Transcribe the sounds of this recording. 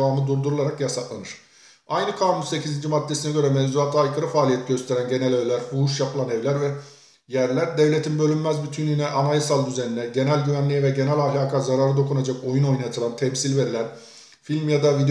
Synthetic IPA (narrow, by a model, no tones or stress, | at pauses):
vaːmɯd̪uɾd̪uɾulˠaɾakjasat̪lˠanɯɾ̥ | ajnɯkʰamunse̞cʰizind͡ʒimat̪ːesinɛɟø̞ɾɛmɛvzuat̪ʰɯajkʰɯɾɯfaːlʲijɛt̪ʰiɟø̞st̪ʰe̞ɾænɟe̞nælʲøjlʲæɾfuuʃjapʰɯlˠanɛvlʲæɾvɛ | jæɾlʲæɾd̪evlʲe̞t̪ʰinbø̞lʲymːæzbyt̪ʰynynɛʔanajɯsalˠd̪yzeninɛɟe̞nælʲɟyvænlʲijɛvɛɟe̞nælʲahlʲaːkʰazaɾaɾɯd̪o̞kʰunad͡ʒako̞juno̞jnajat̪ʰɯlˠant̪ʰɛmsilʲveɾilʲæɾ | filʲmjad̪avid̪e